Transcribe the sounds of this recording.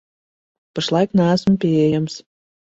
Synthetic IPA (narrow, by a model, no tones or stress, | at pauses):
pəʃlˠɑjknæːsə̆mpeejəms